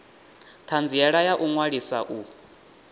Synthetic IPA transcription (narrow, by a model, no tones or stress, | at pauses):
tʰand͡zijaɺajaʔuŋwaɺisa̰ʔu